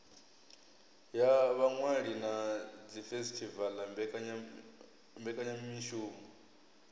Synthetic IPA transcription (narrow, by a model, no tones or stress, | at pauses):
jaβaŋwaɺinad͡zifɛsitʰivalambɛ | mbɛkʼaɲaminʃuːmu